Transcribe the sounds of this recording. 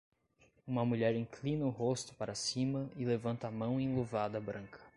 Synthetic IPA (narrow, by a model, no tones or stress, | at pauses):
ũmɐmuʎɛɾĩklĩnɐʊɦost̪ʊ̥paɾɐsĩmɐɪlevɐ̃nt̪ɐːmɐ̃w̃ẽj̃lovad̪ɐbɾɐ̃ŋkʰɐ̥